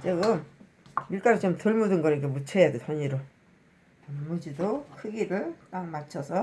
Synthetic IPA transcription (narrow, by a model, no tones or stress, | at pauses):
t͡ɕiɡɯm | iɭk͈aɾit͡ɕomtɯɭmudɯnɡʌɾɯɡemut͡ɕʰejadesʰʌɲiɾo | ammʌd͡ʑidokʰɯɡiɾɯɭk͈aŋmat͡ɕʰʌsʰʌ